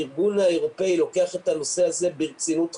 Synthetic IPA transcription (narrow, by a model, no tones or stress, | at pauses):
iʁɡunhaeʁope̞ilo̞ke̞aχet̪hano̞se̞aze̞biʁt͡sinut̪